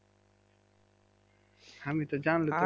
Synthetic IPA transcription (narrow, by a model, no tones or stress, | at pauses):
həmit̪ɔd͡ʒaːnlet̪